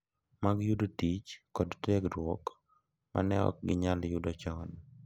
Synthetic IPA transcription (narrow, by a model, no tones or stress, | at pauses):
maɡjudotit͡ʃkɔdtɛkɾwɔk | ma̰nɛɔ̰k̚ɡɪɲaljudɔt͡ʃɔn